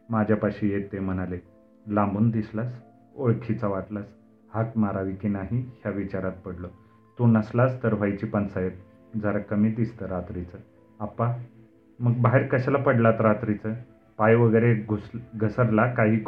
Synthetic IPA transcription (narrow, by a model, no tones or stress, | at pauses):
mad͡ʑʱjapaɕijet̪ːem̤ənale | lãmbuːnd̪islas | oɭkʰit͡saʋat̪las | hakmaɾaʋikinaɦihjaʋit͡ɕaɾat̪̚pəɽlo | t̪unəslast̪əɾʋ̤ajt͡ɕipansəjep̚ | d͡zəɾakəmiːd̪ist̪əɾat̪ɾit͡sə | apa | məɡbaɦeɾkəɕalapəɽlat̪ɾat̪ɾit͡sə | pajʋəɡəjɾeɡuɡʱəsəɾlakaɦiːk